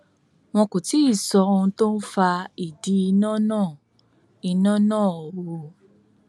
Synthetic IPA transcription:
w̃ɔ̃˧ko˨ti˨˦i˦˨sɔ˧o˧ũ˧to˦n̩˦fa˧i˨di˨˦i˧nã˦nãː˦˨ | i˧nã˦nãː˦˨ɔ˨wo˧

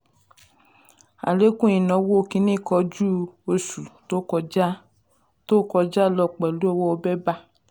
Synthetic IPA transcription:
a̰˨le˦kũ˦ĩ˨nɔ̃˨˦wo˦o˧kĩ˧˦nĩ˦˨kɔ˧d͡ʒu˦o˧su˨to˦kɔ˧˦ | to˦kɔ˧d͡ʒa˦˨lɔ˧˨k͡pɛ˨lu˦ɔ˦˧wɔ˦o˧bɛ˦ba˦

